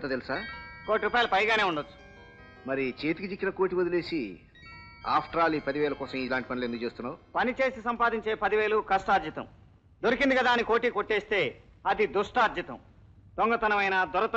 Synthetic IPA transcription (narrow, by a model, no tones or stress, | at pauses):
t̪ɐːt̪elusaːko̞ːʈiɾuːp̬aːjilɐpɐjɡaːne̞ːuɳɖot͡ʃːu̥ | mɐɾit͡ʃe̞ːt̪ikid͡ʒikːinɐko̞ːʈiʋɐd̪ule̞ːsi | a̰ːpʰʈɐɾaːlipɐd̪iʋɛːlɐkɔːsɐmilaːɳʈipɐniluend̪kɐt͡ʃeːst̪unːaːwupɐnit͡ʃe̞ːsisɐmpaːd̪iɲt͡ʃe̞ːpɐd̪iʋe̞ːlukɐsʈaːd̪jɐt̪ɐ̰m | d̪o̞ɾikind̪uɡɐːd̪aːniko̞ːʈiːkoʈːe̞ːst̪e̞ː | ɐd̪id̪uʂʈaːd̪jɐt̪ɐ̰m | t̪ɔŋɡɐt̪ɐnɐmɐjnɐd̪ɔɾɐt̪